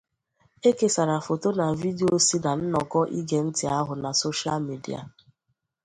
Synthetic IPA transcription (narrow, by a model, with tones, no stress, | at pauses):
e˦ke˦sa˨ɾa˨fo˨to˦na˨vi˦di˦o˦si˦na˨n̩˦nɔ˨kɔ˦ʔi˦ɡe˨n̩˦tɪ˨a˦ɦʊ˨na˨so˦ʃi˦a˦lmi˨dḭ˦a̰˨